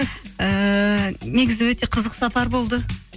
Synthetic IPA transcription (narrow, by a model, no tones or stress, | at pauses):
ə | ne̞ɡʲɪzɪwɵt̪e̞qʰəzəqsɑpɑɾbo̞lˠd̪ə